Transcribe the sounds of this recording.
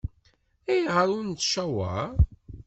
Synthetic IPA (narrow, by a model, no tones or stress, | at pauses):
æjʁəɾʊnt͡s̪ːʃæwa̰